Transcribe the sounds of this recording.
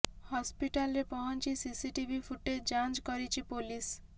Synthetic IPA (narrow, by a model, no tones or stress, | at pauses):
hɔspiʈalːepɔɦɔnt͡ʃisisiʈibʱipʰuʈːed͡ʒant͡ʃkʌɾit͡ʃʰipolis